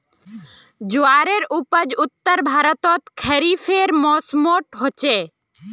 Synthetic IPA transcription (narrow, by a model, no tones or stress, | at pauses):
d͡ʒʊaːɾeːɾupəd͡ʒʊt̪ːəɾbʱaːɾət̪ot̪kʰeːɾiːfʰeːɾmoːsmoːʈɦot͡ʃeː